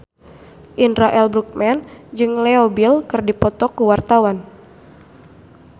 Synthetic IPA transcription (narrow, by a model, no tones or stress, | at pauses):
ʔinɾaʔɛlbɾuk̚mɛnd͡ʒɨŋlɛobilkɨrdipɔt̪ɔkuwart̪awan